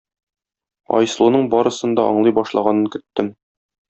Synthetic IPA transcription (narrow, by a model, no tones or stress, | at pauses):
ɒ̰jslˠunɤɴbɒɾɤ̆sɤ̆nd̪ɑʔɒ̰ɴlˠɤjbɒʃlˠɑʁɑnɤŋkɵ̆t̪ːɘm